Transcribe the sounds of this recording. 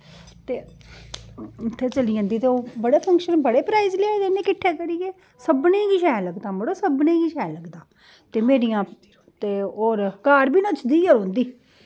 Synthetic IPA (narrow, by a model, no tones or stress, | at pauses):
t̪eː | ʊt̪ʰːeːt͡ʃəliːə̃ːnd̪iːt̪eːoːbəɽeːpʰə̃ŋkʃənbəɽeːpɾaːizleaːd̪enẽːkɪʈʰːeːkəɾijeː | səbnẽːkiːʃɛːləɡd̪ãːbəɽoːsəbnẽːkiːʃɛːləɡd̪aː | t̪eːmeːɾijãː | t̪eːoːɾkaːɾbiːnət͡ʃʰd̪iːoːɾõːnd̪iː